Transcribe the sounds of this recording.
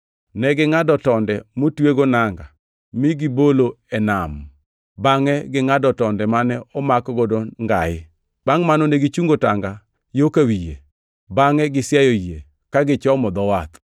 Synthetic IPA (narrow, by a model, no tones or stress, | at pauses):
nɛɡɪŋadɔtɔndɛmotweɡonaŋɡa | mɪɡɪbolo | ɛnam | baŋɛɡɪŋadɔtɔndɛmanɛɔmakɔɡɔdɔŋɡa̰jɪ | b̥aŋmanɔnɛɡit͡ʃuŋɡotaŋɡa | jokawijḛ | baŋɛɡɪsjajɔje | kaɡɪt͡ʃɔmɔd̪ɔwat̪